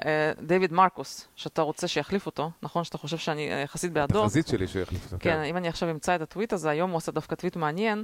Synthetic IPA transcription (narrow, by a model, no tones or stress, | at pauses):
d̪evid̪maʁkosʃeat̪aʁo̞t͡se̞ʃejaχlifot̪o̞naχo̞nʃeat̪aχo̞ʃe̞vʃeanijaχasit̪̚bead̪ozit̪ʃeliʃeja̰χlifot̪okenimaniaχʃavimt͡saet̪at̪vit̪azeajo̞muasad̪afkat̪vit̪meanje̞n